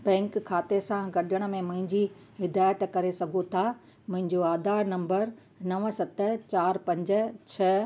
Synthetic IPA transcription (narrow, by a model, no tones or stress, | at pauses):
bɛ̃ːŋkkʰːaːt̪esãɡɐɗəɽ̃ə̆mẽmʊ̃ɦɪ̃ɲd͡ʑi | ɦɪd̪aːjət̪kɐɾesɐɡʱot̪ʰa | mʊ̃ɦɪ̃ɲd͡ʑoaːd̪ʱaːɾnɐ̃mbəɾ | nɐʋsɐt̪ə̆t͡ɕaːɾpɐ̃ɲd͡ʑə̆t͡ɕʰɐ